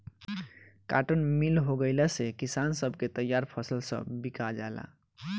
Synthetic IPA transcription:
ka̰ʈənmilɦoɡəɪlasekisansəbʱket̪əjaɾpʰəsəlsə̰̃bikad͡ʒala̰

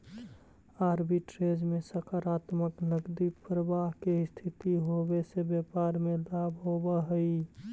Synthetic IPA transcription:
aɾbiʈɾed͡ʒmesəkʰaɾat̪məknəɡd̪ipɾəbaɦkest̪ʰit̪iɦobesebjepaɾmelabʱɦobəɦəi

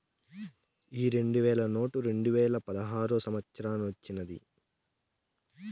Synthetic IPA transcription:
iːɾe̞ɳɖuʋɛːɭɐno̞ːʈuɾe̞ɳɖuʋɛːlɐpɐd̪ɐɦaːɾusɐmɐt̪sɐɾaːnʋɐt͡ʃːinɐd̪ḭ

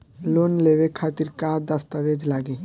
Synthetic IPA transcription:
lonleʋekʰaːt̪iɾkad̪əst̪əʋed͡ʒlaɡe

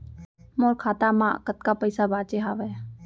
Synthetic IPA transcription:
moːɾkʰaːt̪amã̰ːkət̪kapəɪsabaːt͡ʃeɦaʋɛː

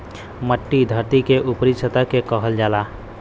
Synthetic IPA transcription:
məʈːid̪ʱəɾt̪ikeʔʊpəɾisət̪akekəɦəld͡ʒaːlaː

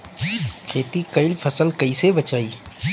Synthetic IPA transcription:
kʰeːt̪ikɐɪlfʰɐsəlkɐisebɐt͡ʃaːiː

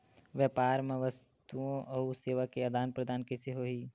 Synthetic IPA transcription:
ʋjəːpaːɾmẽʋəs | t̪uõʔɐuseːʋakeɐd̪ʱaːnpɾəd̪ʱaːnkɛseɦoːɦiː

